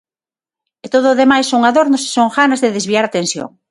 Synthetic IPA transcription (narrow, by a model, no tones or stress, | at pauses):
et̪oðoːðemajsːoŋaðoɾnʊse̥soŋxanazðeðezβiaɾat̪ẽnsjo̰ŋ